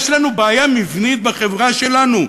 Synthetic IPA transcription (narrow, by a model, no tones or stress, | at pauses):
ʃlanubaːjamivnit̪̚beχevʁaʃe̞lanu